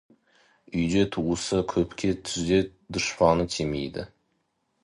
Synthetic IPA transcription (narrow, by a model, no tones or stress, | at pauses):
ʏjd̪et̪ʰuwusəkʲʰɵpkʲʰet̪ʰʏzd̪et̪d̪ʊʃpɑnət̪ʲʰemejd̪ɪ̰